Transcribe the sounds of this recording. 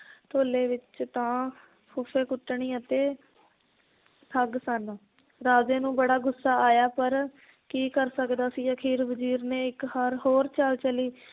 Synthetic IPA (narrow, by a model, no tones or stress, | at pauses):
t̪ʰoːleːʋɪt͡ʃt̪ãː | kʰʊfʰeːkʊʈːɳiːət̪eː | t̪ʰəɡsən | ɾaːzeːnũːbəɽaːɡʊsːaːaːjaːpəɾ | kiːkəɾsəkd̪aːsiːəkʰiːɾʋəd͡ʒiːɾneːɪkɦəɾɦoːɾt͡ʃəlt͡ʃəliː